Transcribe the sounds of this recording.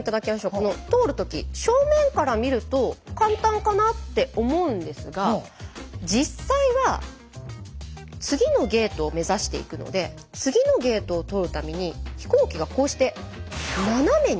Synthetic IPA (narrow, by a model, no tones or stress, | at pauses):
it̪ad̪akʲimaɕo̞ːko̞no̞t̪o̞ːɾɯ̟t̪o̞kʲḭɕo̞ːmẽ̞ŋkaɾamʲiɾɯ̟t̪o̞kãnt̪ãŋkanat̪ːe̞ʔo̞mo̞ɯ̟̃nd̪e̞sɨɡa | d͡ʑisːaiβa | t͡sɨɡʲino̞ɡe̞ːt̪o̞ːme̞zaɕi̥t̪e̞̰ḭkɯ̟no̰d̪e̞ | t͡sɨɡʲino̞ɡe̞ːt̪o̞ːt̪o̞ɾɯ̟t̪amʲiɲ̟içi̥koːkʲiɡako̞ːɕi̥t̪e̞ | naname̞ɲ